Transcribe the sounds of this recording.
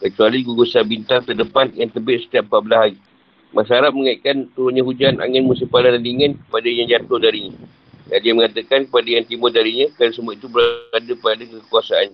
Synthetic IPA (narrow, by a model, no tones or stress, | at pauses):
kət͡ʃualiɡuɡosabint̪alt̪ərdəpanjaŋt̪əbɪʔ̪̚sə̥t̪iaʔ̚pabəlaɦai | masaaɾap̚məŋaiʔkant̪uɾʊnɲãɦud͡ʒanʔa̰ŋənmusipaladandiŋãnkə̥padajaŋd͡ʒat̪ʊhdaɾiɲa | dandiəməŋat̪əkankəpadajaŋt̪imʊdaɾiɲãkalasəmuait̪ubəɾadapadakəkuasaa̰nɲa